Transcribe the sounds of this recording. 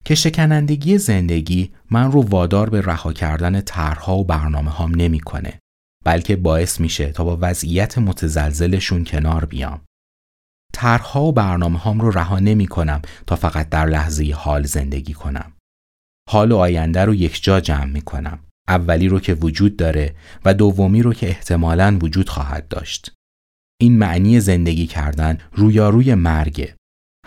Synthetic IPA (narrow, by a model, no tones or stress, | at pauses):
cʰe̞ʃe̞cʰænænd̪e̞ɟije̞ze̞nd̪e̞ɟiːmænrovɒːd̪ɒːɾbe̞ræhɒːcʰæ̰ɾd̪æne̞t̪ʰæɾɾhɒːobæɾnɒːme̞hɒːmne̞miːkʰo̞̰ne̞̰ | b̥ælcʰe̞bɒːe̞smiːʃet̪ʰɒːbɒːvæzʔijæt̪ʰe̞mo̞t̪ʰezælze̞le̞ʃuːncʰe̞nɒːɾbḭjɒ̰m | t̪ʰæɾhhɒːobæɾnɒːme̞hɒːmroɾæɦɒːne̞miːkʰo̞næmt̪ʰɒːfæɣæt̪̚d̪æɾlæhze̞jehɒːlze̞̰nd̪e̞̰ɟiːkʰo̞næ̰m | hɒːloɒːjænd̪æɾoje̞cʰd͡ʒɒːd͡ʒæːmːiːkʰo̞̰næ̰m | ʔævːæliːɾocʰe̞vod͡ʒuːd̪̚ːɒːɾe̞væd̪ovːo̞miːɾocʰe̞eht̪ʰe̞mɒːlænvod͡ʒuːd̪̥xɒ̰ːɦæ̰d̪̚ːɒ̰ːʃt̪ | ʔiːnmæʔniːje̞ze̞nd̪e̞ɟiːcʰæ̰ɾd̪ænruːjɒːɾuːje̞mæɾɟe̞̰